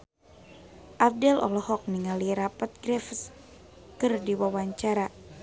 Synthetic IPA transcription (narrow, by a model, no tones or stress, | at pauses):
ʔap̚dɛlɔ̰lɔhɔk̚niŋaliɾapat̪̚ɡɾɛfəs | kɨrdiwawaɲt͡ʃaɾa